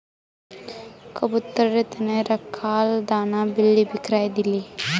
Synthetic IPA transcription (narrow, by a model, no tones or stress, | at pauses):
kɐbut̪ːɐɾɐɾet̪ɐneɾɐkʰːaːld̪aːnabilːibikɾaːjɐd̪ilːi